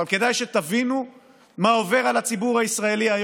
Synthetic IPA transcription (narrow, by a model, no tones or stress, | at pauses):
alke̞d̪ajʃet̪avinu | mao̞ve̞ʁalat͡sibuʁhaisʁae̞liaj